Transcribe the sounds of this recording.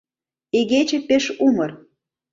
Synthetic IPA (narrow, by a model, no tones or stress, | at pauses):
eɣet͡ɕĕpeʃumɤ̆r